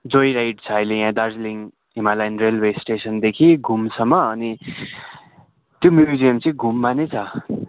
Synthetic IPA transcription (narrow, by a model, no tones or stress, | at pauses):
d͡zojɾajʈ̚t͡sʰʌʌjlejãd̪ard͡zliŋ | ɦimalajnrelwesʈesʌnd̪ekʰiɡʱumsʌmːʌːni | t̪jomjud͡zijʌmt͡sʌ̃ĩɡʱumːanet͡sʰʌ